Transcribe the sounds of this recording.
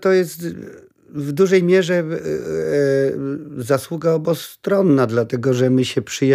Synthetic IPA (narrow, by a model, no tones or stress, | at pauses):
t̪ɔjɛst̪ | vd̪uʐɛjmʲjɛʐɛ | zaswuɡaɔbɔst̪ɾɔnːad̪lat̪ɛɡɔʐɛmɘɕɛpʂɘj